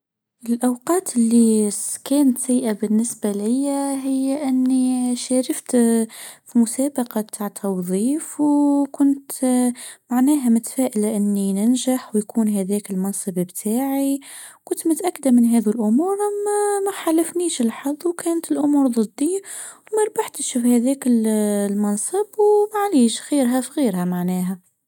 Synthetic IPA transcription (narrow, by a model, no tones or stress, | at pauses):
ɪlʔɑwqɑːt̪ɪlːikæːnət̪sajʔabɪnːɪsbalɪjːaɦɪjːaʔɪnːiʃæːɾəft̪ | fimʊsæːbɑqɑbt̪ʰaːʕt̪ʰːɑwðˤiːfwkʊnt̪ | maʕnæːɦæmʊt̪fæːʔɪlaʔɪnːinɪnʒaħwjkʰuːnɦæðɛːkɪlmɑnsˤɨbbt̪ʰaːʕi | kʊnt̪mʊt̪ʔakːd̪amɪnɦæːðulʔʊmuːɾmæxalːafniːʃɪlħɑðˤːwkʰæːnt̪ɪlʔʊmuːɾðˤɨd̪ːiwmæɾˤbaħt̪əʃfhæðæːkɪllmɑnsˤəbwmaʕliːʃɣiːɾɦæfɣiːɾhæmaʕnæːɦæ